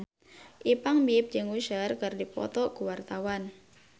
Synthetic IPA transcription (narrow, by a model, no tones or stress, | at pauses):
ʔipaŋbip̚d͡ʒəŋwuʃərkərdipɔ̰t̪ɔkuwart̪awan